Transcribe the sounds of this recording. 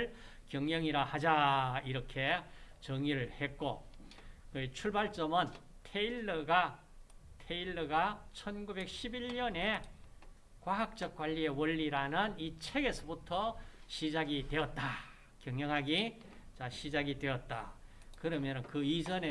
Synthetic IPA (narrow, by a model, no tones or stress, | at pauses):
ɭ | kjʌŋɲjʌŋiɾahad͡ʑaiɾʌkʰe̞t͡ɕʌŋiɾɯɭhe̞t̚k͈o | kɯt͡ɕʰuɭbaɭt͡ɕ͈ʌmʌn | tʰe̞iɭːʌɡa | tʰe̞iɭːʌɡat͡ɕʰʌnɡube̞k̚ɕʰibiʎɲʌne̞ | kwaɦak̚t͡ɕ͈ʌk̚k͈waʎːie̞wʌʎːiɾanɯnit͡ɕʰe̞ɡe̞sʰʌbutʰʌɕʰid͡ʑaɡidwe̞ʌt̚t͈a | kjʌŋɲʌŋɦaɡi | t͡ɕaɕʰid͡ʑaɡidwe̞ʌt̚t͈a̰kɯɾʌmjʌnɯnkɯid͡ʑʌne